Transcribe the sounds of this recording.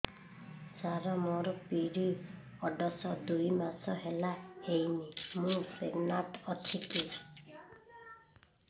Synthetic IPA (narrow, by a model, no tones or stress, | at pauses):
saɾamɔɾɔpiɾi | ɔɖɔsɔd̪ujmasɔɦelaejnimũseɡnaʈɔt̪ʰitu